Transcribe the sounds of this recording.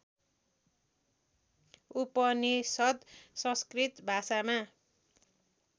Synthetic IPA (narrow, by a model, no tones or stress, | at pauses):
upʌnisʌd̪sʌ̃skrit̪bʱasama